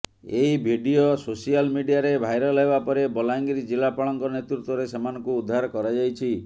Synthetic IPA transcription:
eibʱiɖiososialmiɖijaɾebʱajɾɔlɦebapɔɾebɔlajŋɡiɾid͡ʒilapaɭɔŋkɔnet̪ɾut̪wɔɾesemanɔ̃ŋkuːd̪ʱːaɾɔkɔɾad͡ʒajt͡ʃʰi

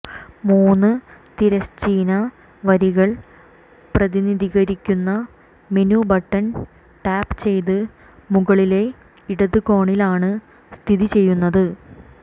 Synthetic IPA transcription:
muːnːɨt̪iɾɐɕt͡ɕiːnɐ | ʋɐɾiɣɐɭ | prɐðiniðʱiɣɐɾikʲːunːɐ | menubɐʈːɐn | ʈaːpt͡ɕe̞jt̪ɨ | muɣɐɭile̞ | iɽɐðɨkoːɳilaːɳɨ | st̪ʰiðit͡ɕe̞jːunːɐðɨ

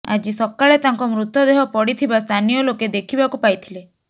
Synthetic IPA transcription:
a̰d͡ʒisɔkaɭet̪aŋkɔmɾut̪ːɔd̪eɦɔpɔɽit̪ʰibast̪ʰanijɔloked̪ekʰibakupajt̪ʰile

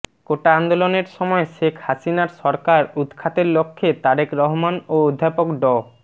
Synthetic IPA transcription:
koʈaand̪oloneɾʃɔmɔeʃekʰhasinaɾʃɔɾkaɾud̪kʰat̪eɾlokʰːet̪aɾekɾɔɦomanood̪ʱːapokɖɔ

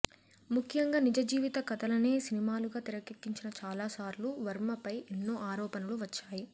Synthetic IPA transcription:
mukʰːjɐŋɡaːnid͡ʒɐd͡ʒiːʋit̪ɐkɐt̪ɐlɐne̞ːsinimaːluɡaːt̪iɾɐkekːiɲt͡ʃinɐt͡ʃaːlaːsaːɾluʋɐɾmɐpɐjʔenːoːʔaːɾɔːpɐnɐluʋɐt͡ʃːaːji

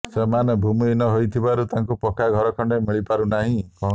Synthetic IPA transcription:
semanɔbʱuminɔɦojt̪ʰibaɾut̪aŋkupɔkʰaɡʱɔɾɔkʰɔɳɖemiɭipaɾunaɦĩkɔ

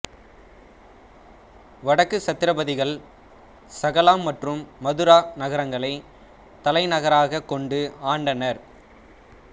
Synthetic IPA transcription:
ʋɐɽɐkːɯsɐt̪ːɪɾɐbɐðɪɣɐɭ | sɐɣɐlaːmːɐʈrɯmːɐðɯɾaːnɐɣɐɾɐŋɡɐɭɐɪ | t̪ɐlɐɪnɐɣɐɾaːɣɐkːɔɳɖɯaːɳɖɐnɐɾ

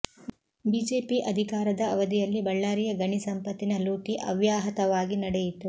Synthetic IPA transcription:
biːd͡ʒeːpiʔɐd̪ʱikaːɾɐd̪ɐːʋɐd̪ijɐlːibɐɭːaːɾijɐɡɐɳisɐmpɐt̪ːinɐluːkiʔɐ̰ʋjaːɦɐt̪ɐʋaːɡinɐɽɛjit̪u

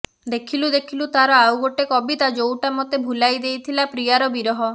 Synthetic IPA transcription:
d̪ekʰilud̪ekʰilut̪aɾɔawɡoʈekɔbit̪ad͡ʒowʈamɔt̪ebʱulajd̪ejt̪ʰilapɾijaɾɔbiɾɔɦɔ

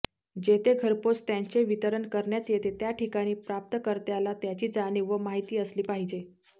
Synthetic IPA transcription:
d͡ʑet̪eɡʱəɾpot͡st̪jaɲt͡ɕeʋit̪əɾəɳkəɾɳjat̪jet̪et̪jaʈʰikaɽ̃iːpɾap̚t̪əkəɾt̪jalat̪jat͡ɕiːd͡zaɽ̃iːʋəmaɦit̪iːəsliːpaɦid͡ʑe

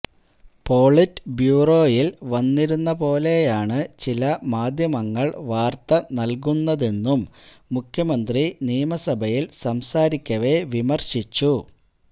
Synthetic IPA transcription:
po̞ːɭitːbjuːro̞ːjilʋɐnːiɾunːɐpo̞ːle̞jaːɳɨt͡ɕilɐmaːd̪ʱjɐmɐŋːɐɭʋaːrt̪ɐnɐlk̬unːɐðe̞nːumː | ukʰjɐmɐnd̪rinijɐmɐsɐbʱɐjilsɐmsaːɾikʲːɐʋe̞ʋimɐrɕit͡ɕːu

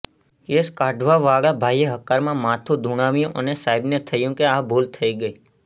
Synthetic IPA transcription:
keskaɖʋaʋaɭabʱajeɦəkaɾmãmãt̪ʰũd̪ʱuɽ̃ãʋjũʔənesaibnet̪ʰəjũkeabʱolt̪ʰəiɡəi

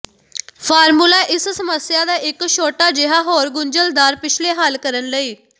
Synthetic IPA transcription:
pʰaːɾmuːlaːʔɪssəməsɪjãːd̪aːʔɪkʃoːʈaːd͡ʒɪɦaːɦoːɾɡʊnd͡ʒəld̪aːɾpɪt͡ʃʰleːɦəlkəɾənləiː

